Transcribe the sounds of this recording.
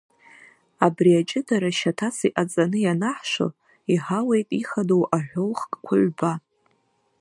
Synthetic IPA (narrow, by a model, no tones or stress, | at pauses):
abriat͡ʃʼɪdaɾaʃatʰasiʔat͡sʼanɨjanaħʃʷo̰ | iħawe̞jtʼiχadowʔaħᶣʷolχkʼkʷʰʊʕʷba